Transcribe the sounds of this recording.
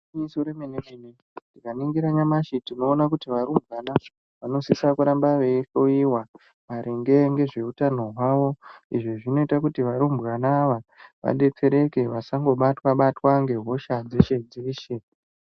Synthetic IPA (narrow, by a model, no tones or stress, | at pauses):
isoɾemenemene | ndikaniŋɡiɾaɲamaʃitino̞ːnakutiʋaɾumbʱɣana | ʋano̞sisakuɾambaʋe̞fo̞iwa | maɾʔeŋɡe̞ŋɡe̞ʐe̞utano̞ɦwaːʋo̞iʐiʐino̞itakutiʋaɾumbɣanaʋaʋa̰ɗe̞t͡seɾe̞ke̞ʋasaŋɡo̞ɓatwaɓatwaŋɡe̞ɦo̞ʃad͡zeʃe̞d͡ziːʃe